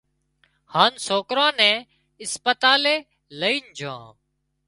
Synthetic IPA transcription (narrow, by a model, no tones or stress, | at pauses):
haːnsoːkɾãːnɛ̃ː | ɪspət̪aːleː | ləiːnd͡ʒʱã̰ː